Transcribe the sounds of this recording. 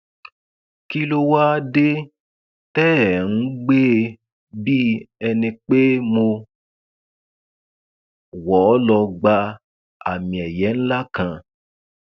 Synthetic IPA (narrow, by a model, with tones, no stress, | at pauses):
ki˦lo˦˧wa˦de˦ | tɛ˦˨ñ̩˦ɡ͡be˦˧ | bi˦ɛ˧nĩ˧k͡pe˦mo˧ | wɔ˨˦lɔ˧ɡ͡ba˧ | a̰˨mĩ˨ɛ˨jɛ˨˦n̩˦la˦kã˧